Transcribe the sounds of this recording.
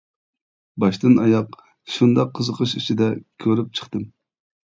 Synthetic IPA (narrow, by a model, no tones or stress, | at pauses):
bɑʃt̪ɨnɑjɑq | ʃund̪ɑqʰːəzəqʰəʃit͡ʃʰid̪ɛkʲʰøɾyp̚t͡ʃʰə̥χt̪ɨm